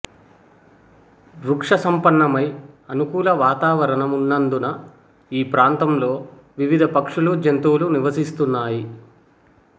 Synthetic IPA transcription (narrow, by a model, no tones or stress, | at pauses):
d̪ɾukʂɐsɐmpɐɳːɐmɐjɐnukuːlɐʋaːt̪aːʋɐɾɐɳɐmunːɐnd̪unɐ | iːpɾaːnt̪ɐmlo̞ː | ʋiʋid̪ʱɐpɐkʂulud͡ʒɐnt̪uːluniʋɐsist̪unːaːji